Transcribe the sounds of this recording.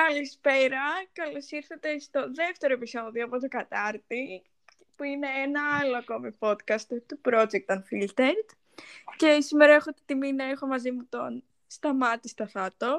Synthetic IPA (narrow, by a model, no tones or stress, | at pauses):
kɐlispe̞ɾɐkɐlosiɾθɐt̪e̞st̪o̞ðe̞ft̪e̞ɾo̞episo̞ðio̞ɐpot̪o̞ɡɐt̪ɐɾt̪i | puine̞enɐɐloɐko̞mipo̞t̪kɐst̪t̪upɾo̞d͡ʒek̚t̪ɐnfilt̪eɾd̪ | ce̞simeɾɐexot̪t̪iminɐexo̞mɐzimut̪o̞n | st̪ɐmɐt̪ist̪ɐθɐt̪o̞